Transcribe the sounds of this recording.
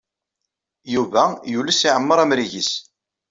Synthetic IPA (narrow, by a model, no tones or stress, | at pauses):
juvæjulæsiʕəmːəɾˤæmɾiʝis